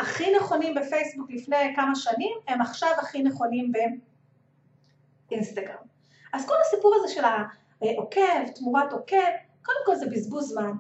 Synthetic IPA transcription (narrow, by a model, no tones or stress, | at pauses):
aχineχo̞nimbefejsbuklifnejkamaʃanimemaχʃavaχineχo̞nimbe̞ | ʔinst̪aɡʁam | ʔazko̞lasipuʁazeʃe̞la | ʔokeltmuʁato̞ke̞v | kodemko̞lzebizbulzman